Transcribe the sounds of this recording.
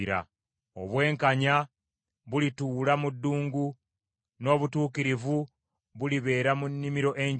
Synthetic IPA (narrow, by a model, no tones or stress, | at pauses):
ɾa̰ | o̞̰βwe̞ːŋkaɲa | βulituːlamudːuːŋɡu | no̞ːβutuːkiɾivu | βuliβe̞ːɾamunːimiɾo̞ʔe̞ɲ